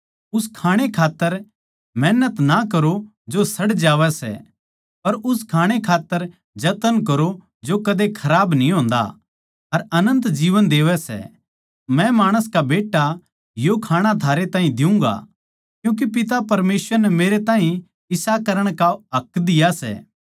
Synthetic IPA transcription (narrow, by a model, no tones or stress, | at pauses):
ʊskʰaːɽ̃ekʰaːt̪ːəɾ | mɛːnət̪nakɐɾo | d͡ʒosɐɽd͡ʒaːʋɛsɛ̰ | pɐɾʊskʰaːɽ̃ekʰaːt̪ːəɾ | d͡ʒɐt̪ənkɐɾo | d͡ʒokɐd̪ekʰɐɾaːbnĩɦõːnd̪a̰ | ɐɾɐnə̃nt̪d͡ʒiːʋənd̪eːʋɛsɛ̰ | mɛ̃maːɽ̃əskabeːʈːa | jokʰaːɽ̃at̪ʰaːɾet̪ãːɦĩd̪ɪũŋɡa̰ | kjũːk̬ipɪt̪apɐɾmeːsʋəɾnɛmeːɾet̪ãːɦĩ | ɪsakɐɾəɽ̃kaɦɐkd̪ɪjasɛ̰ː